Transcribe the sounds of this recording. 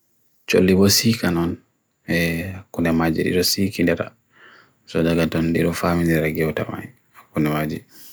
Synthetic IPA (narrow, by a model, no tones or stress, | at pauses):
t͡ʃo̰lːibɔsikanɔn | ɛkundɛmad͡ʒḭdḭɗɔsikindɛɾa̰ | sɔdaɡatɔndiɗɔfamindɛɾaɡɛwta̰ma̰j | kundɛmad͡ʒi